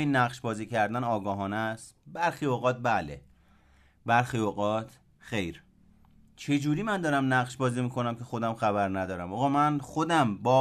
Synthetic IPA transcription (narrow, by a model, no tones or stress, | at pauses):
inːæɣʃbɒːziːcʰæɾd̪ænɒːɡɒːɦɒːnæst̪bæɾxiːoɣɒːt̪̚bæle | bæɾxioɣɒːt̪ʰ | xe̞jɾ | t͡ʃʰe̞d͡ʒuːɾiːmænd̪ɒːɾæmnæɣʃbɒːziːmiːkʰo̞næmkʲʰe̞xo̞d̪æmxæβæɾnæd̪ɒːɾæmɒːɣɒːmænxod̪æmbɒː